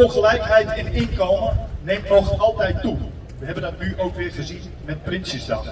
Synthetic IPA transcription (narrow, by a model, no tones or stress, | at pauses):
ɔlˠχəlɛjkɦɛjtɪnɪnkowmənejmtɔxɑlˠtɛjtːu | ʋəɦɛbəndɔtnyʔowkʋɪːrχəzin | mɛt̚prɪnsisdan